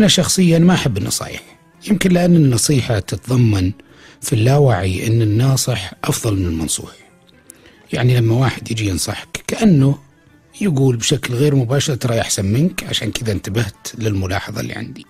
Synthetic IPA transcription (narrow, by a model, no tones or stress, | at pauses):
ʔanaʃɑxsˤɨjːaʔanamaʔaħabːɪnːɑ̰sˤɑ̰ːjɪ̰ħ | jɪmkɪnlɪʔanːɪnːɑsˤiːħat̪ɪt̪ðˤɑmːɑn | filːaːwaʕiʔɪ̰nːɪnːɑːsˤɨħʔɑfðˤɑlmɪnɪlmɑ̰nsˤṵːħ | jaʕnilamːawaːħɪd̪jɪd͡ʒijɪnsˤɑ̰ħkːaʔanːʊ | jaɡuːlbʃaklɣeːɾmʊbaːʃɑɾˤt̪ɑɾˤɑːʔaħsanmɪnkʕa̰ʃaːnkɪðaɪnt̪abaht̪lɪlmʊlɑ̰ːħɑðˤɑ̰lːḭʕa̰nd̪i